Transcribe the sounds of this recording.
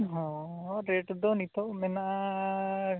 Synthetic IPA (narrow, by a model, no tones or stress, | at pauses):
ɦɔɾeʈd̪ɔnit̪ɔmɛnaʔa